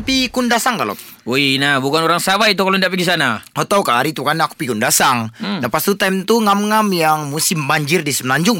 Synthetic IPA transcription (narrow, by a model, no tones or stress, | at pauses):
pikundasaŋkalo̰t̪ | oinabukanoɾaŋsawait̪̬ukaloindaʔpiɡis̬anaot̪aukaːɾit̪ukanaku̥pikundasaŋdapast̪ut̪ajmt̪uŋamŋamjaŋmusɪmbaɲd͡ʒɪrdisəmnaɲd͡ʒʊŋ